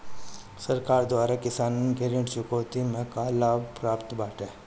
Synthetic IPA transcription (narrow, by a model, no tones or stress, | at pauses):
səɾkaːɾd̪waːɾakɪsaːnnkeɾɪ̃ɳʈʃʊkoːt̪imẽkalaːbpɾaːpt̪baːʈɛː